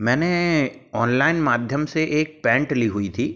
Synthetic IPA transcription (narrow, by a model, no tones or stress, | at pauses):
mɛ̃ːneɔːnlaːɪnmaːd̪ʱjəmseʔeːk̚pɛ̃ːɳʈliɦʊit̪ʰiː